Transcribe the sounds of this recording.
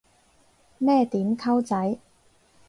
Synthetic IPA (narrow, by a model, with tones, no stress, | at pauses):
mɛː˥t̪iː˨˥mkʰɐ˥wt͡sɐ˨˥j